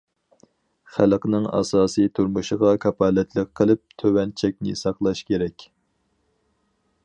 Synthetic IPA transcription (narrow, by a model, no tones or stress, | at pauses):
χælqnɨŋɑ̰sɑːsɨt̪ʰuɾmuʃəʁɑkʰɑpʰɑːlɛt̪ʰləqʰːəlˠɪp̚t̪ʰøwɛnt͡ʃʰɛk̚ʲnɪ̰sɑqlˠɑʃkʲeɾɛkʲ